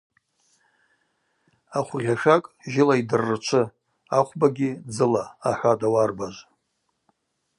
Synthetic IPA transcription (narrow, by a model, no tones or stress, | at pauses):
aχʷʁʲaʃᶣakʼʒɪlaidɨrːɨt͡ʃʷʰɨ | aχʷbaɡʲɪd͡zɨlaːħʷadawarbaʒʷ